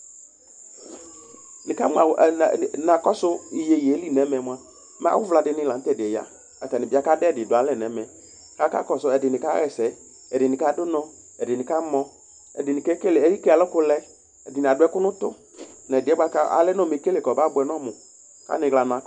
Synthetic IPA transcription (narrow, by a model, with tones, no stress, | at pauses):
nɪ˨ka˦ma˨nã˨kɔ˦sʊ˦ɪ˨je˨jli˦nɛ˨˦mɛ˨mʊ˨a˦˨˦ | m̰˦wʊ˦vla˨dɪ˨nɪ˦la˨n̩˦tɛ˨dɪ˨ɛ˨ja̰˦ | a˨ta˨nɪ̃˨bɪ˦a˦ka˦dɛ˦˨dɪ˨dʊ˨a˨˦lɛ˦˨nɛ˨˦mɛ˨˦ | ka˦ka̰˦kɔ˨sʊ˦ɛ˨dɪ˨nɪ̃˨ka˦ɣɛ˨sɛ˨˦ | ɛ˨dɪ˨nɪ̃˨ka˦dʊ˦nɔ̃˦ | ɛ˨dɪ˨nɪ̃˨ka˦mɔ̃˦ | ɛ˨dɪ˨nɪ˨kɛ˦ke˦lɛ˦i˦ke˦a˨lʊ˦kʊ˦lɛ˦ | ɛ˨dɪ˨nɪ˨a˨dʊ˦ɛ˦kʊ˦nʊ̃˦t̪ʊ˦ | nɛ˨dɪ˨ɛ˦ba˦ka̰˦a̰˨lɛ˦nɔ˦˨m˨e˨˦ke˦le˨kɔ˨ba˦bʊ˨ɛ˨nɔ˦mʊ˨ | ka̰˦nɪ̃˨ɣla˨nã˨k